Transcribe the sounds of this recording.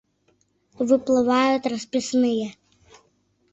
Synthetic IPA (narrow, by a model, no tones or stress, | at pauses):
ʋɪplˠɪʋɑjʊt̪ʲrɐspʲisnɪjɛ